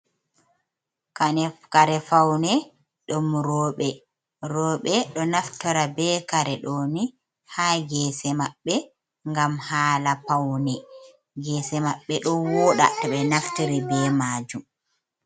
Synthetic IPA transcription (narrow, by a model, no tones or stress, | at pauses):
kanɛkaɾɛfawnɛ | ɗɔmɾɔːɓɛ | ɾɔɓɛɗɔnaftɔɾabɛːkaɾɛɗɔni | haːɡɛːsɛmaɓːɛ | ŋɡamhaːlapawnɛ | ɡɛːsɛmaɓːɛɗɔwɔːɗa̰tɔɓɛnaftiɾibɛmaːd͡ʒum